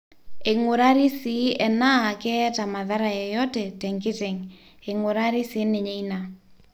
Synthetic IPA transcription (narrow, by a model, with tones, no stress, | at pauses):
e˨ŋʊ˨ɾa˦ɾi˦si˨˦ɛ˨na˦a˨kɛ˦ɛ˦ta˨ma˨ða˦ɾa˨jɛ˨jɔ˦tɛ˨tɛ˨ŋkɪ˦te˨ŋ | e˨ŋʊ˨ɾa˦ɾi˦sɪ˨˦nɪ˨ɲe˦i˦na˨